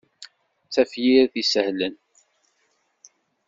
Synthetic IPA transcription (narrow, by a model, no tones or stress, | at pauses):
t͡sæfjiɾðisəhlən